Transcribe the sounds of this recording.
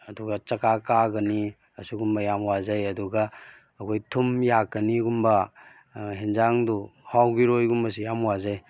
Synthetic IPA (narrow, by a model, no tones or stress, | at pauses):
ɐduɡɐt͡ʃɐkakaɡɐni | ɐsuɡumbɐjamwazɐjɐduɡɐː | kʰojtʰumjakːɐniɡumbɐ | ɦenzaŋduhawɡiɾojɡumbɐs̬ijamwazaj